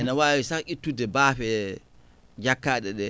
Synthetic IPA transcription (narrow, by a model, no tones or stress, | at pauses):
ɛnawaːwisaʔitːudɛbaːfɛ | d͡ʒakːaːɗɛɗɛ